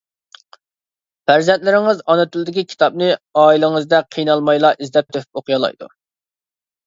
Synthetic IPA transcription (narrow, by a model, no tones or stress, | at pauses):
fæɾzɛnt̪lɪɾɪŋɨzɑnɨt̪ʰyld̪ɪkʲikʲʰi̥t̪ɑp̚nɨɑːilˠɪŋɨzd̪ɛqʰijnɑlˠmɑjlˠɑʔizlɛp̚t̪ʰøpʰyp̚oqʰɨjɑlˠɑ̰jd̪ṵ